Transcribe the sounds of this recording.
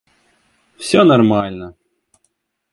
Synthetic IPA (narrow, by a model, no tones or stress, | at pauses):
fsʲonɐrmalʲnə